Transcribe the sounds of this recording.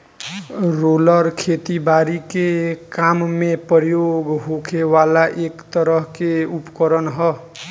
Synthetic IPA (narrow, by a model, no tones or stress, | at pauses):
ɾolʌɾkʰet̪ibaɾikekammepəɾjoɡɦokʰewalaʔekt̪ʌɾʌɦkeupkəɾənɦʌ